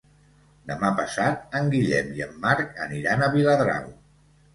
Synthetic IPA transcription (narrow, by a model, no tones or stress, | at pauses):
d̪əmapəsat̪̚əŋɡiʎɛmiəmːaɾkə̰niɾanəβiləðɾa̰w